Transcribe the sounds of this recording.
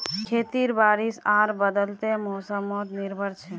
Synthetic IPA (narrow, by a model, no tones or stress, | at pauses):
kʰet̪iɾbaɾisaɾbəd̪əlt̪emɔsəmɔt̪niɾbʱəɾt͡ʃʰɛ